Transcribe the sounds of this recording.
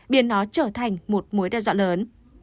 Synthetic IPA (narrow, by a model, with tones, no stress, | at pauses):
ɓi˨˦ənːɔ˨˦t͡ɕəː˧˩t̪ʰa˨˩jŋ̟mo˨˩t̚mu˨˦jɗaː˧˩za̰˧˥ləː˨˦n